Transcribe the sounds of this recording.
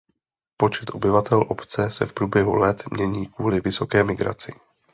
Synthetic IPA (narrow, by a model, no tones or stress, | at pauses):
po̞t͡ʃɛt̪ʔo̞bɪvat̪ɛlʔo̞pt͡sɛsɛfpɾuːbjɛɦṵlɛt̪mɲɛɲiːkvuːlɪvɪso̞kɛːmɪɡɾa̰t͡sɪ